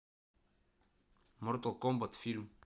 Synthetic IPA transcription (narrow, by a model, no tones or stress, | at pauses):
mɔɾt̪okɔmbat̪film